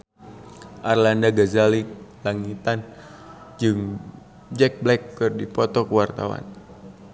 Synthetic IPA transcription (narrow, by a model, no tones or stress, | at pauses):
ʔarlandaɡazalik̚laŋit̪an | d͡ʒɨŋ | d͡ʒɛk̚blɛkːɨrdipɔt̪ɔkuwart̪awa̰n